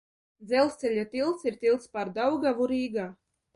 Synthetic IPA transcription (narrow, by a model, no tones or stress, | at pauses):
d̪zɛlˠst̪ʲɛlʲat̪ilˠt̪siɾt̪ilˠt̪spaɾd̪awɡavuɾiːɡaː